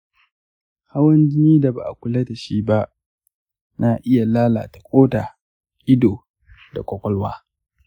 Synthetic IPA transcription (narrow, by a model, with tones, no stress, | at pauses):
ha˦wɐ˦nd͡ʒɪ˦niː˦da˨ba̰˨ʔa˨kʷʊ˦le˦ta˨ʃiː˦ba˦ʔ | na˨ʔɪ˦ja˨laː˦la̰ː˨tḁ˨kʷʼoː˦ta˨ | ʔɪ˦doː˨ | da̰˨kʷɔ˦kʷʼɔ˦lwa̰ː˦